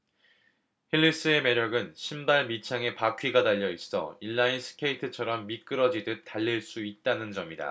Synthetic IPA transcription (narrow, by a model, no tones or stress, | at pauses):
hiʎːis͈ɯe̞me̞ɾjʌɡɯnɕʰimbaɭmit͡ɕʰaŋe̞pakʰɥiɡadaʎːʌis͈ʌ̰iɭːainsʰɯ̥kʰe̞itʰɯt͡ɕʰʌɾʌmːik͈ɯɾʌd͡ʑidɯt͈aʎːiɭs͈uit̚t͈anɯnd͡ʑʌmida̰